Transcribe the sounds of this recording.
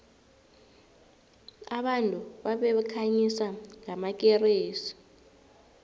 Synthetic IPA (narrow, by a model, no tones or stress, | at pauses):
aɓantʼuɓaɓekʰaɲisaŋamak̬ʼɛreːsi̥